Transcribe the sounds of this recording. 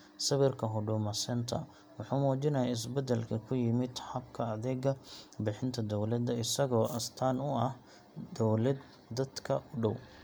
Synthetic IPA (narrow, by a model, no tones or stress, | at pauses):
sɐβɛrkʰɐɦɔɖʊmɐsɛnt̪ʰɐ̰ | wɑħuːmuːt͡ʃɪnɐjɐɪs̬bɛd̪ɛlkʰɐkʰʊjɪmɪd̪ħɐbkʰɐɐðɛːɡɐbɪħɪnt̪ʰɐd̪ɔwlɐd̪ɐɪsɐɣɔːʔɐst̪ʰaːnʊɐh | d̪ɔwlɛd̪ | d̪ɐd̪kʰɐʔʊɖɔw